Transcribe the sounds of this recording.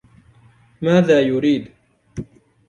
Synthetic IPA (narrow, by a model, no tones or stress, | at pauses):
maːðaːjʊɾiːd̪